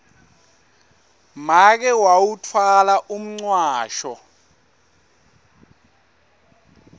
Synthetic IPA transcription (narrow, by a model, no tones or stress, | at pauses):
mak̬ɛwawutʰwalaʔum̩ŋ͡ǀwaːʃɔ